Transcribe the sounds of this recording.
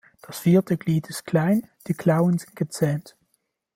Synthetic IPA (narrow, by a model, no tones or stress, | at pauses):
d̥ɑsfiːɹtəkliːtɪsklɛjnd̥əklawənsɪnɡət͡sɛːnt